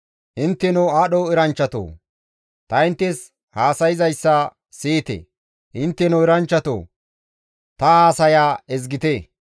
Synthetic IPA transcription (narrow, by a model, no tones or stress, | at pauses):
ʔɪnt̪ːɛnoaːɗoːɪɾɐnt͡ʃːɐt̪o̰ː | t̪ɐɪnt̪ːɛs | haːsɐjɪzɐjsːɐ | siːt̪ḛ | ʔɪnt̪ːɛnɔɪɾɐnt͡ʃːɐt̪o̰ː | t̪ɐhaːsɐjaːɛzɡɪt̪e